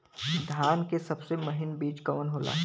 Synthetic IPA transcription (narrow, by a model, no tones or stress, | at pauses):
d̪ʱjaːnkesɐbsemɐɦɪnbiːt͡ʃkɐʋənɦoːla̰ː